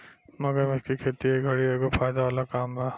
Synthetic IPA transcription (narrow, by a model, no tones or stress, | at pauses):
mɐɡəɾmeskikʰeːt̪iɦeɡʱɐɽieːɡofaːjd̪aʋaːlakaːmbʱaː